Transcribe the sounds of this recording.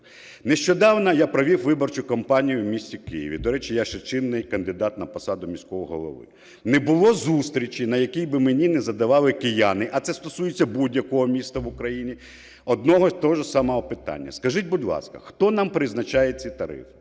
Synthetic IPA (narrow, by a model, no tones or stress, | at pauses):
nɛʃt͡ʃɔd̪ɑwnɐjapɾɔʋʲiwʋɪbɔrt͡ʃʊkɐmpɑnʲijʊmʲisʲtʲikɪjḭʋʲid̪ɔɾɛt͡ʃɪjaʃɛt͡ʃɪnːɪjkɐnd̪ɪd̪ɑt̪nɐpɔsɑd̪ʊmʲisʲkɔɦɔɦɔ̰lˠɔ̰ʋɪ̰ | nɛbʊlˠɔzust̪ɾʲit͡ʃinɐjɐkʲijbɪmenʲinɛzɐd̪ɐʋɑlˠɪkɪjanɪʔɐt̪sɛst̪ɔsujet͡sʲːɐbudʲjɐkɔɦɔmʲist̪ɐʋʊkɾɐjinʲi | ɔd̪nɔɦɔt̪ɔɔʒɔsɑmɐɦɔpɪt̪a̰nʲːɐ̰skɐʒɪtʲbʊdʲlˠɑ̰skɐ̰xt̪ɔnampɾɪznɐt͡ʃajet͡sʲːɛt̪ɐɾɪ̰fɪ